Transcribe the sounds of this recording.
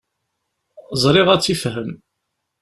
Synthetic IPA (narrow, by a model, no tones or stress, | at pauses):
zˤɾˤɪʁæt͡sːifɦəm